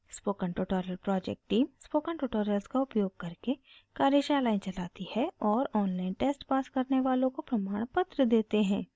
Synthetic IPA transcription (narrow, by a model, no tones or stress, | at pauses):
spoːkə̃ɳʈuʈoːɾəlpɾɔːd͡ʒɛ̰k̚ʈʈːiːmspoːkəɳʈuʈoːɾəlskaʊpjoːɡ̚kɐɾke | kaːɾjəʃaːlaːĩnt͡ʃɐlaːt̪ihɛɔːɾɔːnlaːɪnʈeːsʈpaːskɐɾneʋaːlõkopɾɐmaːɽ̃pət̪ɾəd̪eːt̪eɦɛ̃ː